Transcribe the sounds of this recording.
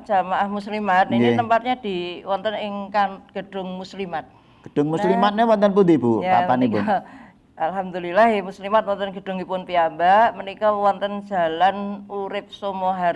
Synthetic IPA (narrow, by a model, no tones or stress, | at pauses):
d͡ʒ̥amaʔahmuslimat̪kt̪əmpat̪̚ɲad̥iwɔnt̪ənɪŋkanɡ̥ə̤d̥ʊ̤ŋmuslimat̪̚ | ɡ̥ə̥d̥ʊŋmusslimat̪̚nawɔnt̪ənp̬ut̪ibujaa̰anipʊn | ʔalɦamd̪ulilahmuslimat̪̚wɔnt̪ənɡ̥ə̤d̥ʊŋipʊnpiambamənikawɔnt̪ənd͡ʒʒ̥a̤lanuɾɪp̚somoɦa